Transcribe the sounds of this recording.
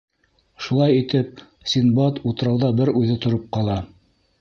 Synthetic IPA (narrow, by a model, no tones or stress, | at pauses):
ʃulˠɑjit̪ɘp̚ | sʲinbɑt̪ut̪ɤ̆ɾɑwðɑbɘɾʉðɘt̪ŏɾɤp̚qɑlˠɑ